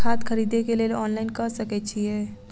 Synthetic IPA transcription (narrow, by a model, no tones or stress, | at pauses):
aːt̪kʰɐɾiːd̪ekeleːlɔːnlaːɪnkɐɾsɐket͡ʃʰieː